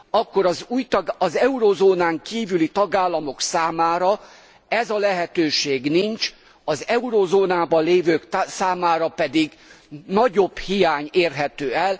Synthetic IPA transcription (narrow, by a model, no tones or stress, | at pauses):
ɒkːo̞ɾɒzuːjt̪ɒzɛuɾoːzoːnaːŋkiːvylit̪ɒɡaːlːɒmo̞ksaːmaːɾɒ | ɛzɒlɛɦɛt̪øːʃeːɡnint͡ʃ | ɒzɛuɾoːzoːnaːbɒleːvøːkt̪saːmaːɾɒpɛd̪iɡ | nɒɟo̞b̥hijaːɲeːrɦɛt̪øːɛl